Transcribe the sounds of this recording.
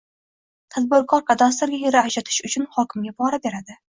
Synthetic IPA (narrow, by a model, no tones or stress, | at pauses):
t̪ʰad̪̚bʊɾkʰɒɾkʰad̪ast̪ɪɾɡʲajeɾɪaʃat̪ʰɪ̥ʃʊt͡ʃʰʊnhɒkʲɪmɡʲabɒɾabe̞ɾad̪ɪ